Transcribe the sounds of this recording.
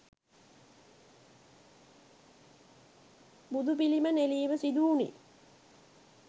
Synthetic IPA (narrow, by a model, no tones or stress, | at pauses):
bud̪up̬iliməneliːʋəsid̪uːnḭ